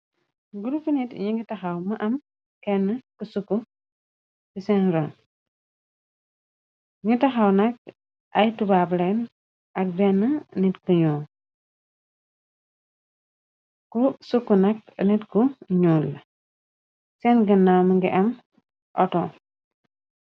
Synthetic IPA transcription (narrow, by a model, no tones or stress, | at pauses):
ɡuɾufinitɲiŋɡitɐxawmɐʔɐm | kɛnːəkusukːu | sisɛnɾon | ŋɡitɐxawnɐk̚ | ʔɐjtubablɛn | ɐk̚bɛnːənitkuɲuːl | kusukːunɐk̚nitkuɲuːl | sɛnɡənːawməŋɡiʔɐm | ʔɔtɔ